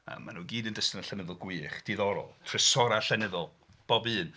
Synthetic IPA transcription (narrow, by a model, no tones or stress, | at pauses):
ə̰mːa̰nuːɡiːdəndəstənəɬɛnɪðɔlˠɡwiːχd̥iðɔɾɔ̰lˠtʰrɪsɔɾaɬɛnɨðɔlˠ | b̥ɔbɨːn